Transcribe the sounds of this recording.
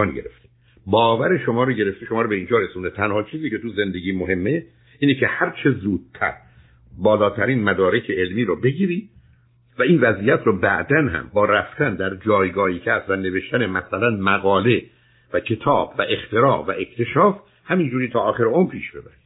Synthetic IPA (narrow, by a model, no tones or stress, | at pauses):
nɟeɾḛft̪ʰe̥ | bɒːvæɾe̞ʃomɒːɾoɟe̞ɾe̞ft̪eʃomɒːɾobeiːnd͡ʒɒːɾesund̪et̪ʰænhɒːt͡ʃʰiːziːcʰe̞t̪uze̞nd̪eɡiːmoɦe̞mːe | ʔiːnecʰe̞hæɾt͡ʃʰe̞zuːd̪̥̚t̪ʰæ̰ɾ | bɒːlɒːt̪ʰæɾiːnmæd̪ɒːɾe̞cʰeelmiːɾɔbeɟiːɾiː | væiːnvæziːjæt̪ʰɾɔbæ̰ʔd̪ænhæ̰mbɒːɾæft̪ænd̪æɾd͡ʒɒːjɡɒːhiːcʰæst̪væne̞ve̞ʃt̪ænemæsælænmæɣɒːle̞ | væcʰe̞t̪ʰɒːbvæʔe̞xt̪e̞ɾɒːvæʔe̞kʰt̪ʰe̞ʃɒːf | hæmind͡ʒuːɾiːt̪ʰɒːxeɾeompʰiːʃb̥e̞bæɾi̥